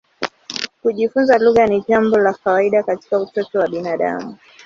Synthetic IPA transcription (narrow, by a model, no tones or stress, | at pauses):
kuʄifunzaluɣaniʄambɔlakawaiɗakati̥kautɔtɔwaɓinaɗa̰mu